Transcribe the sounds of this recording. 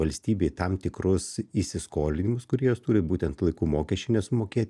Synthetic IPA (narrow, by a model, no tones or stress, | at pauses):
ɐlʲsʲt̪ʲiːbʲeːɪt̪ɐmt̪ʲɪkɾʊsisʲɪskoːlʲɪnʲɪmʊskʊɾʲiɛjoːst̪uːɾʲɪbuːt̪ʲɛnt̪lˠɐɪkuːmoːkʲɛʃʲt͡ʃʲɪnʲɛsmoːkʲeːt̪ʲ